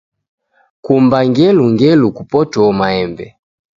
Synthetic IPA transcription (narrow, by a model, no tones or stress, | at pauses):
kumbaŋɡɛluŋɡɛlukupɔtɔmaɛmbɛ̰